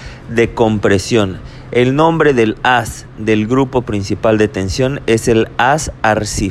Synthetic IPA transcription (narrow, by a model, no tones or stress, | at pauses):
ðe̞ko̞mpɾe̞sjo̞n | elnõ̞mbɾe̞ðe̞las | ðe̞lɡɾupo̞pɾinsipald̪et̪ensjo̞neselasaɾsi